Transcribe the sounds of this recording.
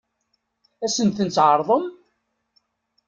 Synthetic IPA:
æsənt̪ənt͡s̪ːʕəɾˤðˤəm

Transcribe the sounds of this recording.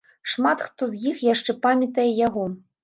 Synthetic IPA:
ʂmat̪xt̪ɔzjixjaʂt͡ʂɛpamʲɐt̪ɐjɛjaɣɔ

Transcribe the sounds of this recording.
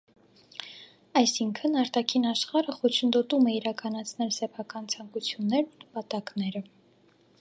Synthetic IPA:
ɑjsiŋkʰənɑɾt̪ɑkʰinɑʃχɑɾəχɔt͡ʃʰənd̪ɔt̪umɛiɾɑkɑnɑt͡sʰnɛlsɛpʰɑkɑnt͡sʰɑŋkut͡sʰjunːɛɾnunəpɑt̪ɑknɛɾə

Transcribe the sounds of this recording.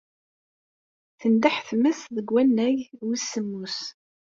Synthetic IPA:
θənd̪aħθmæsðəɡwænːæʝwisːəmːus

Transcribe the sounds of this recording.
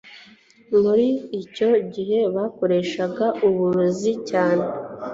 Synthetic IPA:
muɾiːco̞ɟiɦe̞βako̞ɾe̞ʃaɡaʔuβuɾuzicaːne̞

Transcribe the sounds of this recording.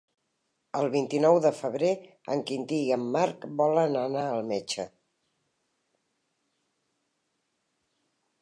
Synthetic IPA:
əlˠβint̪inɔwðəfəβɾe | ə̰ŋkint̪iəmːaɾkbɔlənənaəlˠmet͡ʃə

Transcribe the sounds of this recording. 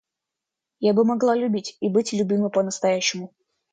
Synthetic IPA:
jabɨmɐɡlˠalʲʉbʲitʲibɨtʲlʲʊbʲimɨpənəst̪ɐjæɕːɪmʊ

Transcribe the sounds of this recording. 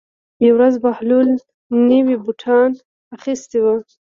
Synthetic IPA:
jawɾazbahlul | nəwibuʈʰɑn | axist̪ewə

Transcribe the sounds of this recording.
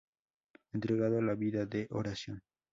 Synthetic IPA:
ent̪ɾeɣaðoalaβiðaðeʔoɾasjon

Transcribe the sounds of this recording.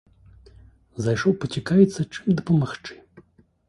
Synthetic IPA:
zajʂɔwpɐt͡sʲikavʲit̪sːɐt͡ʂɨmd̪ɐpɐmaxt͡ʂɨ̥

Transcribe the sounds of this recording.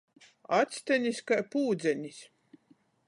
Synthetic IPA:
at̪sʲt̪ɛnʲiskapuːd̪zʲɛnʲisʲ

